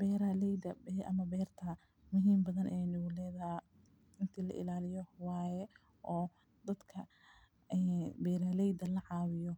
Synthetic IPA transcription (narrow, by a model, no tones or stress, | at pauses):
bɛːɾɐlɛjd̪ɐbɛʔɐ̰mɐbɛːrt̪ʰɐ | mʊɦiːmbɐðɐnʔɛjnɪɣʊlɛːðɐ | ɪnt̪ʰiːlɐ̰ʔɪ̰laːlɪjɔwɑːjɛ | ʔɔː | d̪ɐd̪kʰɐ | ɛːbɛːɾɐlɛjd̪ɐlɐʕɑːwɪjɔ